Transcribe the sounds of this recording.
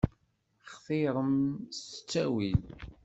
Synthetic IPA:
χθiɾˤəmst͡sːæwil

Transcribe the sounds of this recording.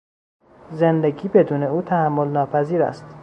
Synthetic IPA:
zend̪eɡiːbe̞d̪uːne̞uːt̪ʰæhæmːo̞lnɒːpʰæziːɾæ̰st̪

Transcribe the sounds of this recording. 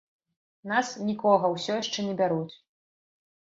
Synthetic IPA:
nasnʲikɔɣɐwsʲɔjɛʂt͡ʂɛnʲɛbʲaɾut͡sʲ

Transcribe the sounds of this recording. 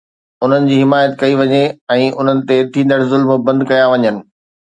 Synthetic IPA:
ʊn̤ənɪ̆d͡ʑiːɦɪmaːjət̪kɐiʋɐɲeɛ̃ːʊn̤ənɪ̆t̪et̪ʰĩːn̆d̪əɽzʊlmbɐ̃nd̪kɐjaʋɐɲənɪ̆

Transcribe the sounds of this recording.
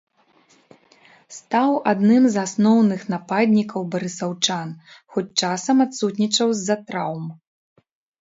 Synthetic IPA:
st̪awad̪nɨmzasnɔwnɨxnapad̪ʲnʲikɐwbɐɾɨsawt͡ʂanxɔt͡sʲt͡ʂasɐmat̪sut̪̬ʲnʲit͡ʂɐwzːɐt̪ɾawm

